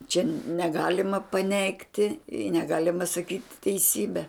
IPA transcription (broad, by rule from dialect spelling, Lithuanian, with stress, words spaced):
t͡ʃʲɛ nʲɛˈɡɑːlʲɪmɐ pɐˈnʲɛɪktʲɪ ɪ nʲɛˈɡɑːlʲɪmɐ sɐˈkʲiːtʲ tʲɛɪˈsʲiːbʲɛ